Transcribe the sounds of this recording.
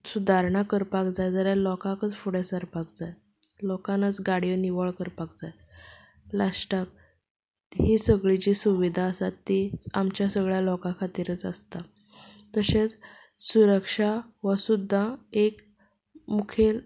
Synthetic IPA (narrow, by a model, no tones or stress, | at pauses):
sud̪ʱaɾɳakəɾpakd͡zajd͡zəljalɔkakət͡sfuɽɛsəɾpakd͡zaj | lɔkanət͡sɡaɽijəniʋəɭkəɾpak̚d͡zaj | lasʈak̚ | ɦisəɡɭit͡ɕiːsuʋid̪ʱaəsat̪ːit͡samt͡ɕjasəɡɭjalɔkãkʰat̪iːɾət͡sə̰st̪a | t̪əset͡s | suɾəkʂaʋəsud̪ʱːaek | mukʰel